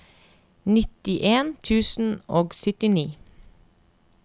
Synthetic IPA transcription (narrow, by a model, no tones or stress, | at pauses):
nɪt̪ɪʔeːnt̪ʰʉːsn̩oːɡsʏt̪ɪniː